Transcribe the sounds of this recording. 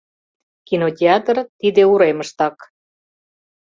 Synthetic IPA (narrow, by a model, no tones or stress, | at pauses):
kinotʲeɑt̪ərt̪id̪euɾeməʃt̪ɑk